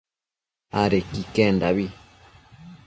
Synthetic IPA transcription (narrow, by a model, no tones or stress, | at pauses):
aɾekikɛndaβi